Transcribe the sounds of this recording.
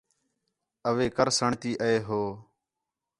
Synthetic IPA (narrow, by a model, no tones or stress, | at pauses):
əʋeːkəɾsəɳt̪iːʔəeːɦoː